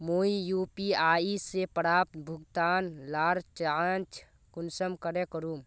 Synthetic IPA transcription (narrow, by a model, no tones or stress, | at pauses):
moːijuːpiaːisepəɾaːp̚t̪bʱʊɡt̪aːnlaːɾt͡ʃant͡ʃʰ | kʊnsəmkəɾekəɾuːm